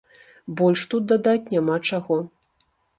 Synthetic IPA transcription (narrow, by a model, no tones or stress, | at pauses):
bɔlʲʂt̪ut̪̚d̪ad̪at͡sʲnʲamat͡ʂaɣɔ